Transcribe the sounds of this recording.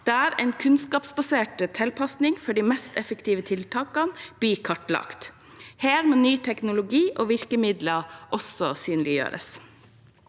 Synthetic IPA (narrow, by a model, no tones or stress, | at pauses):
d̪̥eːæːɾɛ̰ɪnkʰʉnskɑːpsbɑseːʈət̪ʰɛlpʰɑsnɪŋfɔɖiːmɛst̪ɛfəkt̪iːʋət̪ʰɪlt̪ʰɑːkɑnb̥yːkʰɑʈlɑ̰ːkt̪ | heːɾmoːnyːt̪ʰɛknʊlʊɡiːʔoːʋɪɾkəmɪd̪ləʔɔsɔsyːnlɪjø̰ːɾə̰s